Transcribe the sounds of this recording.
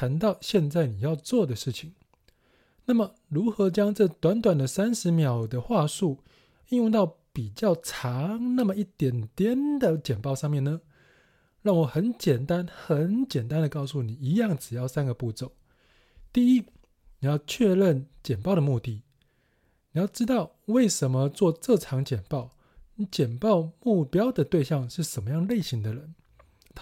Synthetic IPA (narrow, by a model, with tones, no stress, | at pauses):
t̪ʰa˧˥nt̪ɑ˥˧ʊɕjɛ˥˧nt͡sa˥˩ɪni˨˩jɑ˥˧ʊt͡swɔ˥˩d̪ə˨ʂɻ̩˥˩t͡ɕʰi˨˩˦ŋ | na˥˩mə˩ | ɻu˧˦˥xɤ˧˥t͡ɕjɑ˥ŋʈ͡ʂɤ˥˩t̪wa˧˦nt̪wa˨˩nd̪ə˩sa˥nʂɻ̩˧˦mjɑ˨˩ʊd̪ə˦xwa˥˧ʂu˥˩ | i˥˧nju˥˧t̪ɑ˥˩ʊpi˨˩t͡ɕjɑ˥˩ʊʈ͡ʂʰɑ˧˦ŋna˥˩mə˨i˥˩t̪jɛ˨˩nt̪jɛ˥nd̪ə˨t͡ɕjɛ˨˩npɑ˥˧ʊʂɑ˥˧ŋmjɛ˥˩nə˨ | ɻɑ˥˩ŋwɔ˨˩xə˧˦nt͡ɕjɛ˨˩nt̪a˦˥nxə˨˦nt͡ɕjɛ˨˩nt̪a˦˥nd̪ə˨kɑ˥˧ʊsu˥˩ni˨˩i˧˥jɑ˥˩ŋʈ͡ʂɻ̩˨˩jɑ˥˩ʊsa˦˥nɡə˨pu˥˩t͡so˨˩˦ʊ | t̪i˥˩i˦˥ | ni˨˩jɑ˥˧ʊt͡ɕʰɥɛ˥˧ɻə˥˩nt͡ɕjɛ˨˩npɑ˥˩ʊd̪ə˨mu˥˧t̪i˥˩ | ni˨˩jɑ˥˩ʊʈ͡ʂɻ̩˥t̪ɑ˥˧ʊwe˥˩ɪʂə˧˥nmə˧t͡swɔ˥˧ʈ͡ʂɤ˥˩ʈ͡ʂʰɑ˧˥ŋt͡ɕjɛ˨˩npɑ˥˩ʊ | t͡ɕjɛ˨˩npɑ˥˧ʊmu˥˩pjɑ˥ʊd̪ə˨t̪we˥˧ɪɕjɑ˥˧ŋʂɻ̩˥˩ʂə˨˩nmə˦jɑ˥˧ŋle˥˩ɪɕi˧˥ŋd̪ə˨ɻə˧˦n